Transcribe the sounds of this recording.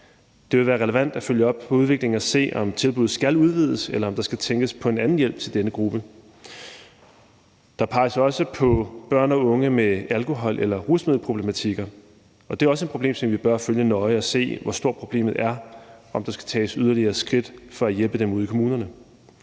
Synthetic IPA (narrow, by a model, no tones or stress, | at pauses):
d̥e̝ʋe̝ʋæːɐʁɛləʋæn̰d̥æføljəɒ̽b̥̚pʰɒ̽uðˠʋe̝ɡ̥le̝ŋ̩æse̝̰ːʔɒ̽mt͡sʰe̝lb̥uð̩ˠsɡ̥æluð̞ˠʋið̰ˠəselɐɒ̽md̥ɑ̈sɡ̥æt͡sʰeŋɡ̥əspʰɒ̽e̝nænn̩jel̰b̥̚t͡sʰe̝ld̥enəɡ̥ʁub̥ə | d̥ɑ̈pʰɑ̈ɪsɐɒ̽səpʰɒ̽b̥ɶɐ̰nɒ̽ɔ̽ŋəmeælkʰo̝ɦɒ̽l̰ʔelɐʁusmeðˠl̩pʰʁob̥le̝mæt͡sʰiɡ̥ɐ | ɒ̽d̥e̝æɐɒ̽səe̝̥pʰʁoble̝̰ːmsɒ̽mʋib̥ɶɐføljənɒ̽ɪɒ̽se̝̰ːʋɒsd̥o̝ɐ̰̥pʰʁo̝b̥le̝̰ːmð̩ˠæɐʔɒ̽md̥ɑ̈sɡ̥æ̥t͡sʰɛ̰ːsyð̞ˠɐliɐːsɡ̥ʁid̥fɒ̽æjelb̥əd̥emuð̰ˠkʰo̝muːnɐnə